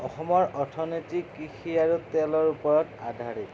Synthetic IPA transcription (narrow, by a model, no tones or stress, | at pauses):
ɔxɔmɔɹɔɹtʰɔnetikixʰiaɹutɛlɔɹupɔɹɔtadʱaɹit